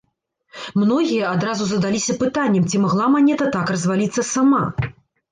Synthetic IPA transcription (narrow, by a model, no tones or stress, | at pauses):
mnɔɣʲijɐad̪ɾazuzɐd̪alʲisʲɐpɨt̪anʲːɛmt͡sʲimaɣlˠamanʲɛt̪ɐt̪akrɐzvalʲit̪sːɐsama̰